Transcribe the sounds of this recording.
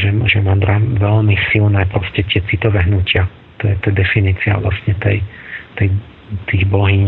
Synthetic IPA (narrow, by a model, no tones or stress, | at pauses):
ɛʒɛmad̪ɾaʋɛlmisilnɛːpɾɔscɛt̪ɪɛt͡sit̪ɔʋɛːɦnucɪa | t̪ɔjɛt̪ɛd̪ɛfiniːt͡sia̰ʋla̰sɲɛt̪ɛ̰jt̪ɛj | t̪iːɣblɔɦiː